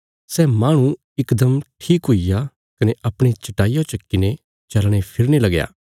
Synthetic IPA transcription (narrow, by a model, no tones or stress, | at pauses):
sɛːmaːɽ̃ũ | ɪkd̪əmʈʰiːkɦʊija | kɐneʔɐpɽ̃et͡ʃɐʈaːijõt͡ʃɐkːɪne | t͡ʃɐlɽ̃epʰɪɾnelɐɡja̰ː